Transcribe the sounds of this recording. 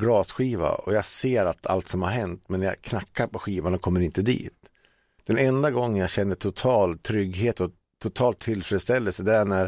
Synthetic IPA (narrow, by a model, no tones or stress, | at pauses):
ɡlɑːsɧiːva̰ɔ̰jaɡseːɾat̪ʰa̰lt̪sɔmhaɾɦɛnt̪mɛnja̰kʰnakːaɾpɔɧiːvanɔkʰɔmːəɾɪnt̪əd̪ḭːt̪ | d̪̥ɛnɛnd̪aɡɔŋːənjaɕɛnːəʈ̪ʰʊt̪ʰɑːlt̪ʰɾʏɡɦeːt̪ɔ | t̪ʰʊt̪ʰɑːlt̪ʰːɪlfɾɛd̪st̪ɛlːəlsəd̪æɳæɾ